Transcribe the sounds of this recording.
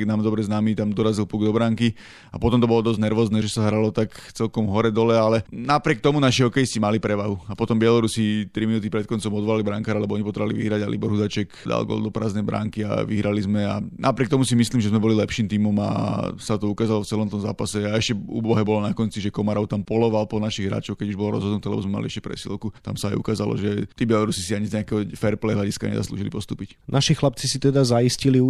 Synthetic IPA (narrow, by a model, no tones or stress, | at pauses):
namd̪ɔbɾɛznamit̪amd̪ɔɾazilpuɡd̪ɔbɾaŋki | apɔt̪ɔmt̪ɔbɔlɔd̪ɔznɛɾʋɔːznɛʒɛsaɦɾalɔt̪akt͡sɛlkɔmɦɔɾɛd̪ɔlɛalɛnapɾɪɛk̚t̪ɔmunaʃiɦɔkɛjist͡ɕimalipɾɛʋaɦuapɔt̪ɔmbɪɛlɔɾusit̪ɾiminuːt̪ipɾɛt̪̚kɔnt͡sɔmɔd̪ʋɔlalibɾaŋkaːɾalɛbɔɔɲipɔt̪ɾɛʋaliʋḭɦɾaɟalʔḭbɔɾɦud̪at͡ʃɛkd̪a̰lɡɔ̰lˠd̪ɔpɾa̰ːznɛjbɾa̰ŋkia̰ʋiɦɾalizmɛa̰nʔapɾiɛk̚t̪ɔmusimisliːmʒɛzmɛbɔlilɛpʃiːmt̪iːmɔma̰sat̪ɔukaːzalɔft͡sɛlɔmt̪ɔmza̰ːpasɛaɛʃcɛṵːbɔɦɛbɔlɔnakɔnt͡siʒɛkɔmaɾɔʊt̪ampɔlɔʋalpɔnaʃiɣɦɾa̰ːt͡ʃɔʊkɛɟuʒbɔlɔɾɔ̰zɦɔd̪nut̪ɛːlɛ̰bɔzmɛmaliʔɛʃcɛ̥pɾɛ̰sḭlkut̪a̰msaajṵkaːzalɔ̰ʒɛt̪iːbjɛlɔɾusisiaɲizɲɛakɛɦɔfɛɾplɛjɦlaɟiska̰ɲɛ̰za̰slṵːʒilipɔst̪ṵːpicnʔaʃixlap̚t͡sisit̪ɛd̪azaiscili